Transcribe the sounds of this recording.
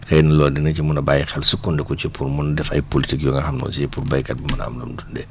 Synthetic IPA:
xɛjnɐlɔːdɛnɐt͡ʃimunɐbajixɛlsukːundɛkɔt͡ʃipʰuɾmunɐdɛfɐ̰jpolitikjɔŋɡɐxamnɔ̰ːt͡ʃiɛpurbajkɐt̚bumɐna̰mdumdundɛ

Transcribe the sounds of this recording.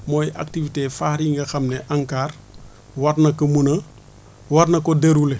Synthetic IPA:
moːjʔa̰k̚tivitefaːɾiŋɡɐxɐmneʔaŋkaːr | waɾnɐkɐmunɐ | wɐɾnɐkodeɾule

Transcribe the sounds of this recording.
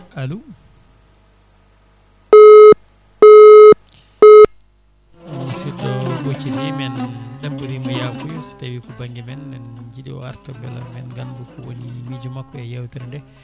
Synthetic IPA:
ʔalu | wsiɗɔlot͡ʃːizimɛndabuɾimajafujɔsi̥tawikɔbaŋɡɛmɛnːɛnd͡ʒiɗiɔ̰aɾtɔbɛla̰mɛnɡandukɔwonimid͡ʒumakːɔɛjawtɛɾndɛ

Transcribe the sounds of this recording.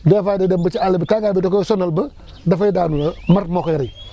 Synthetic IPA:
dafadedembət͡ʃialibətaɡabitokosonalbə | dafadanumaɾmokeɾa

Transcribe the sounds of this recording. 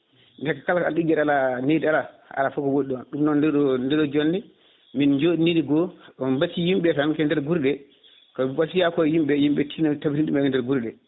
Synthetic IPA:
ndɛkakalka̰lɗid͡ʒɛɗalanedialaa̰lafɔkɔwoɗiɔnɗumnɔndɛɔndɛɗɔd͡ʒonːɛ | mind͡ʒoɗinidiɡɔɔbatːijimɓɛtakɛndɛɾɡuɾɗɛ | kɔwasijakɔjimɓɛjimɓɛtʰinatabitinɗumɛkɛndɛɾɡuɾɗɛ

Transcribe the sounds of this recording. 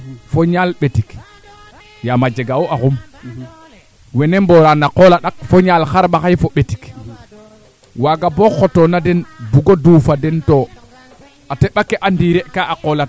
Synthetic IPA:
foɲalɓetik | jamad͡ʒeɡawoʔaxum | wenemboɾanaqolaɗak̚foɲalxaɾɓaxajfoɓetik | waɡaboxotonadɛnbuɡoduːfadɛnto | ateɓakeʔandiɾeʔkaʔaqola

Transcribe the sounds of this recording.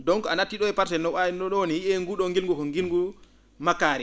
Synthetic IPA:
dɔŋkɔanatːiɗɔɛpaɾtɛnɔwanɔɗɔwnijiɛŋɡuɗɔŋɡilŋɡukɔŋɡilŋɡu | makːaːɾɛ

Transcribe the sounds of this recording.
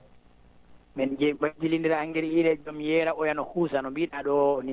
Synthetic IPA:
mɛnd͡ʒɛɓad͡ʒilindiɾaŋɡɛɾiɾɛd͡ʒomjɛːɾaʔɔjanɔhusanɔmbiɗaɗɔni

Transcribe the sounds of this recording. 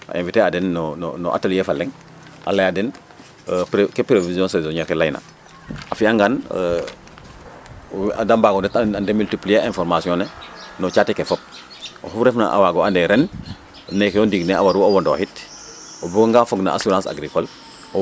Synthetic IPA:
ʔa̰ʔẽɱviteadɛnːnnɔ̰ʔa̰taljefalːɛŋ | ʔa̰lajadɛn | pkepɾevizjɔ̃nsezoɲaɾkelajna̰ | afiaŋɡan | a̰dambaːɡɔndɛtaandemyltiplijeɛ̃fɔɾmasiɔ̃nɛnɔt͡ʃatɛkefɔp̚ | o̰hufɾɛfna̰ʔa̰waɡɔandɛɾɛn | nekeondiɡnɛa̰waɾuowɔndo̰hit | obuɡoŋɡaːfɔɡna̰ʔa̰suɾãːsa̰ɡɾikɔl

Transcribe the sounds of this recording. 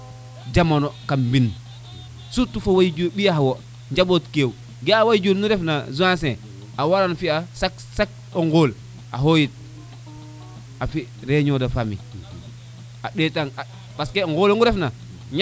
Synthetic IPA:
d͡ʒamonokambin | sutufowajd͡ʒobijawo | ɲd͡ʒabotkew | ɡeawajd͡ʒunnuɾefnazuãs̬e | awaɾanfiasak | sak̚ | oŋɡoːl | a̰ɦojit̚ | afiɾeɲodafamḭ | aɗeːtaŋa | paskeŋɡoloŋɡuɾefna | ɲ

